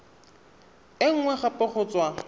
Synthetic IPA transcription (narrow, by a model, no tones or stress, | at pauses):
ɪŋ̩ŋwɛχapʼɪχʊːt͡sʼwa